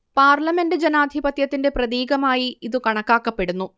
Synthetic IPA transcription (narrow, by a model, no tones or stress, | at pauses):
paːrlɐme̞ndɨd͡ʑenaːd̪ʱibɐt̪jɐt̪ːinde̞prɐðiːɡɐmaːjiiðɨkɐɳɐkːaːkːɐpːe̞ɽunːu